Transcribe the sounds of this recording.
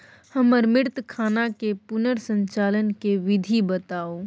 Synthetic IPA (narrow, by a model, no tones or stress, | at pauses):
həməɾmɪɾt̪kʰaːnakepʊnəɾsə̃ɲt͡ʃaːlənkeʋɪd̪ʱibət̪aːo